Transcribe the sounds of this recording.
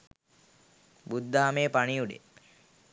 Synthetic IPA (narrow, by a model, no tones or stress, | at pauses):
bud̪ːaːmeːpaɳiuɖḛ